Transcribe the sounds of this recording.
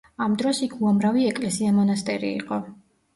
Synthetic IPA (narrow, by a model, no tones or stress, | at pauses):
amd̪ɾɔsikʰuamɾaviɛkʼlɛsiamɔnast̪ʼɛɾḭːqʼɔ